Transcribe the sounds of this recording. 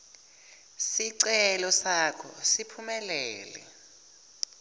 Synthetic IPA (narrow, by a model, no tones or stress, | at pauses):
siǀɛlɔsakʰɔsipʰumɛlɛ̰ːlɛ̰